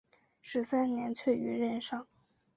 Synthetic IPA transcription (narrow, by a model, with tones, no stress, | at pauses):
ʂɻ̩˧˥sa˥nnjɛ˧˥nt͡ɕʰɥɛ˥˩y˧˥ɻə˥˧nʂɑ˥˩ŋ